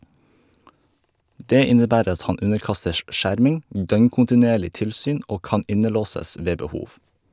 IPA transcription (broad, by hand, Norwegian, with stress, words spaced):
ˈdeː ˈɪnəˌbæːɾ ˈɑt ˈhɑn ˈʉnəɾˌkɑstəʃ ˈʔʃæɾmɪŋ ˈdœŋkʊntɪˌneːɭɪ ˈtɪlsyːn ˈʔoː ˈkɑn ˈɪnəˌloːsəs ˈʋeː bəˈhuːʋ